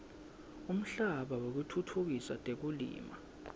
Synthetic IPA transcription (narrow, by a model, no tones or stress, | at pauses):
um̩ɬaɓawok̬utʰutʰuk̬isatʼek̬ulḭːma̰